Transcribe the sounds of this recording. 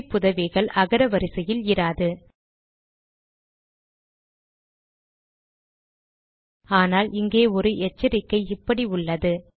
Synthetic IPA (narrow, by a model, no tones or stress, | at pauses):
pʊðɐʋɪɣɐɭɐɣɐɾɐʋɐɾɯsɐjɪlɪɾaːðɯ | aːnaːlɪŋɡeːɔɾɯʔɛt͡ʃːɪɾɪkːɐɪɪpːɐɽiʊɭːɐðɯ